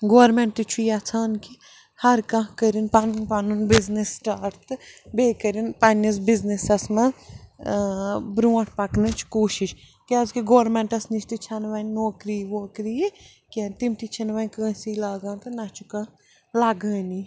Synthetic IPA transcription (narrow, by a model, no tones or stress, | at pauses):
ɡoːɾmeɳʈɨt͡ʃʰujat͡sʰaːnki | hɐɾkɐ̃ɦkəɾinpanunpanunbiznisːʈaːʈt̪ɨbeːkəɾinpɐnis̬biznisɐsmɐ̃ | bɾuːɐ̃ʈʰpɐknɨt͡ʃʰkoːʃiʃ | keɐzkiɡoːɾmẽɳʈɐsnit͡ʃʃt̪ɨt͡ʃʰɐnʋɐnʲnoːkɾiːʋoːkɾiː | kʲent̪imt̪it͡ʃʰɐnʋɐnʲkə̃ːsiːlaːɡãːnt̪ɨnɐt͡ʃʰukã | laːɡə̃ːni